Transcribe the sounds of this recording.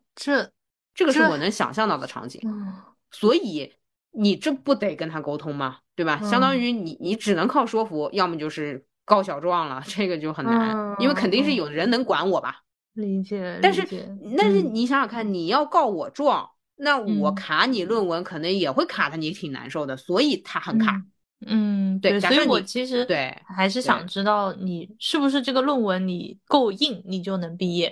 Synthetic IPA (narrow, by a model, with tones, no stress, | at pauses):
ʈ͡ʂɤ˥˩ɡə˩ʂɻ̩˥˩wɔ˨˩nɤ˧˥ŋɕjɑ̰˨˩ŋɕjɑ˥˧ŋt̪ɑ˥˩ʊd̪ə˩ʈ͡ʂʰɑ̰˧˥ŋt͡ɕḭ˨˩ŋ | swɔ˧˥i˨˩˦ | ni˨˩ʈ͡ʂɤ˥˧pu˥˩t̪e˨˩ɪkə˥nt̪ʰa˥ko˥ʊt̪ʰʊ˥ŋmɐ˨˩t̪we˥˩ɪbɐ˩ɕjɑ˥ŋd̪ɑ˥ŋy˧˥ni˧˥ni˧˥ʈ͡ʂɻ̩˨˩nɤ˧˥ŋkʰɑ˥˩ʊʂwɔ˥fu˧˥jɑ˥˩ʊmə˨˩t͡ɕjo˥˧ʊʂɻ̩˥˩ | kɑ˥ʊɕ̬jɑ˨˩ʊʈ͡ʂwɑ˥˩ŋlə̰˩ʈ͡ʂɤ˥˩ɡə˩t͡ɕjo˥˩ʊxə˨˩nna˧˥ni˥nwe˥˩ɪkʰə˨˩nt̪i˥˧ŋʂ̬ɻ̩˥˩jo˨˩ʊd̪ə˦ɻə˧˥nɤ˧˥ŋkwa̰˧˥nwɔ˨˩bɐ̰˧˥ | ɛ˩a˥˧nʂɻ̩˥˧t̪a˥˧nʂɻ̩˥˩ni˧˥ɕjɑ˧˥ŋjɑ˨˩ŋkʰa˥˩nni˨˩jɑ˥˧ʊkɑ˥˩ʊwɔ˨˩ʈ͡ʂwɑ˥˩ŋ | na˥˩wɔ˨˩kʰa˧˥ni˨˩lwə˥˩nwə˧˥nkʰɤ˨˩nɤ˧˥ŋjɛ˨˩xwe˥˩ɪkʰa˨˩t̪ʰə˦ni˧˥t̪ʰi˨˩na̰˧˥nʂo˥˩ʊd̪ə˩swɔ˧˥i˨˩t̪ʰa˥xə˨˩˦nkʰa̰˨˩˦ | n̩˥˩t̪we˥˩ɪ˥˩st͡ɕa˨˩ɔ˧˥˧wɔ˨˩t͡ɕʰi˧˥ʂ̬ɻ̩˧˥t̪we˥˩ɪxa˧˥ɪʂ̬ɻ̩˥˩jɑ̰˨˩ŋʈ͡ʂɻ̩˥t̪ɑ˥˩ʊni˨˩ʂɻ̩˥˩bu˩ʂ̬ɻ̩˥˧ʈ͡ʂɤ˥˩ɡə˩lwə˥˩nwə˧˥nni˨˩ko˥˧ʊi˥˩ŋni˨˩t͡ɕjo˥˩ʊnɤ˧˥ŋpi˥˧jɛ˥˩